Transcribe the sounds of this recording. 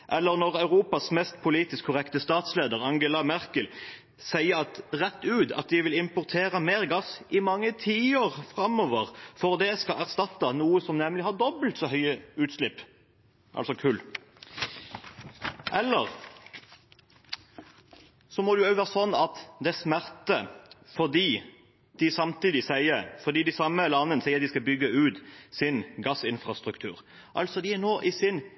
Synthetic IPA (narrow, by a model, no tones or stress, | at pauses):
ʔɛlːəʁnɔʁɑʉʁuːpɑsmɛːst̪pʰʊliːt̪ɪskʰːʊʁɛkt̪əst̪ɑːt̪sleːd̪əʁɑŋɡəlɑmæʁkəl | sæɪəɾɑt̪ʁɛt̪ːʉːd̪ɑ̰t̪̚d̪ɪʋɪlɪmpʊʁt̪ʰeːʁəmeːʁɡɑsɪmɑŋːət̪ʰiːoːʁfʁɑmɔːʋəʁfɔʁd̪ɛskɑæʁst̪ɑt̪ːɑnuːəsɔmnɛmlɪhɑʁd̪ɔbəlt̪sɔɦœʏəʉːt̪sʃlɪpː | ʔɑ̰lsɔkʰʉːl | ʔɛlːəʁ | sɔmɔd̪ʉœːʋæːʁəsɔnːɑt̪d̪ɛæsmæʁt̪əfɔʁd̪iː | d̪̥ɪsɑmt̪iːd̪ɪsæɪəfɔʁd̪iːd̪ɪsɑmːəlɑnːənsɛɪəɾd̪ɪskɑbʏɡːəʉːt̪sɪnɡɑsɪnfʁɑst̪ʁʉkt̪ʰʉ̰ːʁ | ʔɑ̰lsɔd̪ɪænoːʔɪsɪn